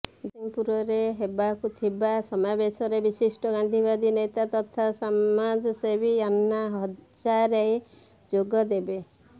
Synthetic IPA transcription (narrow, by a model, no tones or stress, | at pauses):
d͡ʒiŋpuɾɔɾeɦebakut̪ʰibasɔmabesɔɾebisisʈɔɡand̪ʱibad̪inet̪at̪ɔt̪ʰasaad͡ʒɔsebʱianːaɦɔt͡ʃaɾej | d͡ʒoɡɔd̪ebe